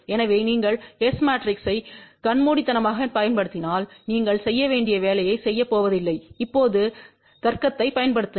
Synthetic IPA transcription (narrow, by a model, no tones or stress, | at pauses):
ɛnɐʋeːniːŋɡɐɭesmaːʈɾɪksɐɪkɐnmuːɽɪt̪ːɐnɐmaːɣɐpɐjɐnpɐɽɯt̪ːɪnaːlniːŋɡɐɭsɛjːɐʋeːɳɖɪjɐʋeːlɐjɐɪsɛjːɐpːoːʋɐðɪlːɐɪɪpːoːðɯ | t̪ɐɾkɐt̪ːɐɪpɐjɐnpɐɽɯt̪ːɯ